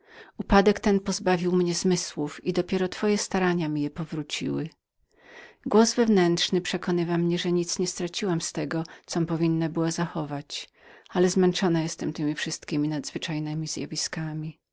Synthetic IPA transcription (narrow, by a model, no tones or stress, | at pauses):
upad̪ɛkt̪ɛnpɔzbavʲiwmɲɛzmɘswufid̪ɔpʲjɛɾɔt̪fɔjɛst̪aɾaɲamʲijɛpɔvɾut͡ɕḭwɘ | ɡwɔzvɛvnɛntʂnɘpʂɛkɔnɘvamɲɛʐɛɲit̪sɲɛst̪ɾat͡ɕiwamst̪ɛɡɔt̪sɔmpɔvʲinːabɘwazaxɔvat͡ɕ | alɛzmɛnt͡ʂɔnajɛst̪ɛmt̪ɘmʲifʂɘst̪̚kʲimʲinad̪zvɘt͡ʂajnɘmʲizja̰vʲiskamʲi